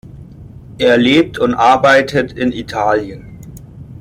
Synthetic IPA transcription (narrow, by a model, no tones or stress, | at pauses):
ʔeːɐleːp̚tʰʊntʔaɐbaɪtʰətʰɪnʔitʰaːljən